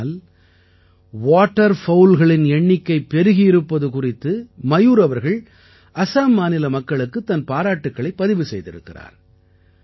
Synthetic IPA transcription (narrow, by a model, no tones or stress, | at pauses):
l | ʋaːʈːɐɾfɐʊlɣɐɭɪnɛɳːɪkːɐɪpːɛɾɯɣɪjɪɾɯpːɐðɯkʊrɪt̪ːɯmɐjuːɾɐʋɐɾɣɐɭ | ɐsaːmːaːnɪlɐmɐkːɐɭɯkːɯt̪ːɐnpaːɾaːʈːɯkːɐɭɐɪpːɐðɪʋɯsɛjðɪ̰ɾɯ̰kːɪra̰ːɾ